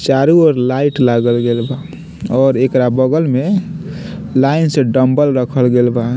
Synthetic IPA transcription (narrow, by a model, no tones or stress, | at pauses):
t͡ʃaɾuɔɾlaiʈlaɡəlɡelba | ɔːɾekɾabəɡəlme | laɪnsẽɖəmbəlɾəkʰəlɡelba